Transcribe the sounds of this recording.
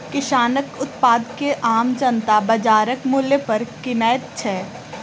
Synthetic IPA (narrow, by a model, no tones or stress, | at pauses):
kɪʃaːnəkʊt̪paːd̪keʔaːmd͡ʒə̃nt̪abɐd͡ʒaːɾəkmʊljepɐɾkɪnɛːt̪̚t͡ʃʰɛː